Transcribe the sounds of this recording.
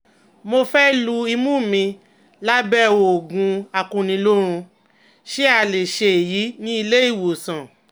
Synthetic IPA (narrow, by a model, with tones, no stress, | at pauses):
mo˧fɛ˦lu˧i˧mũ˦˨mĩ˧ | la˦bɛ˦wo˨ɡũ˧a˧kũ˧nĩ˧lo˦ɾ̃ũ˧ | ʃe˦a˧˨le˨ʃe˨e˨ji˨˦nĩ˦i˧le˦i˦˨wo˨sã˨